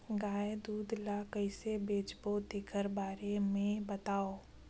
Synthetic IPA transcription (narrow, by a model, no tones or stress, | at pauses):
ɡaːed̪uːd̪ʱlakəɪsebeːt͡ʃbod̪eːkʰəɾbaːɾemẽbət̪aːo